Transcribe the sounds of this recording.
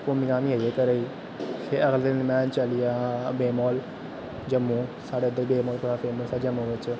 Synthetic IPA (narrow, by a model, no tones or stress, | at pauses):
pʊmĩːkaːmĩɦəeːkəɾəiː | sʰeəɡld̪ɪnmɛ̃ːt͡ʃəlɪjaːbeːmɔːl | d͡ʒəmːũːsaːɽeːəd̪ːəɾbeːmɔːlpʊɽaːpʰeːməsad͡ʒəmːũːʋɪt͡ʃ